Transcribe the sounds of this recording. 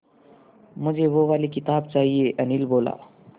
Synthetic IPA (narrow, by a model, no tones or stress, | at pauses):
m̤əd͡ʑeʋoʋaliːkit̪ab̚t͡saɦieʔənilbola̰